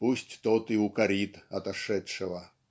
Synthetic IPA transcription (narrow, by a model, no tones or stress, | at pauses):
pusʲtʲt̪ot̪ɪʊkɐɾʲit̪ɐt̪ɐʂɛtʂɨʋɐ